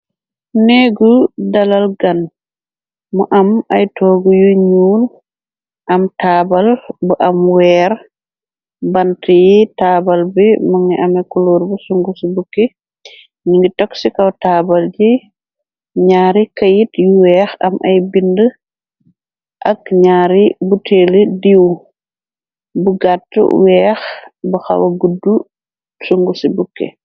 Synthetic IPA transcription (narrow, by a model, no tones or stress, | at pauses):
neɡudalalɡan | mɔʔamajtʰɔɡujuɲuːl | ʔamtaːbalbɔʔamwɛɾ | bantʰijitaːbalbɛmaŋɛʔamɛkuloɾbusuŋɡusbukːi | ɲiŋɡitɔksikɐwtaːbɐld͡ʒi | ɲaːɾikɐjitjuwɛːxɐmʔɐjbində | ʔɐkɲaːɾibuteːlədiw | buɡatːə̰wɛːxbuxɐ̰wɐɡudːu | suŋɡusibukːɛ̰